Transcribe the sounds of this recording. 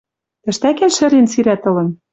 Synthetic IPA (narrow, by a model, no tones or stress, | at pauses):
t̪ɘ̆ʃt̪ækænʃɘ̆ɾensiɾæt̪ɤ̆lɤ̆n